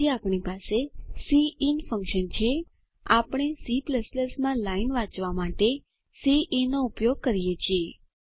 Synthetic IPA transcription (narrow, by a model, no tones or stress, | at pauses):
iapɳipasesiinfə̃ŋkʃənt͡ʃʰe | a̰pɽ̃esipləsləsmãlainʋãt͡ʃʋamaʈe | siʔinoupjoɡ̚kəɾijet͡ʃʰie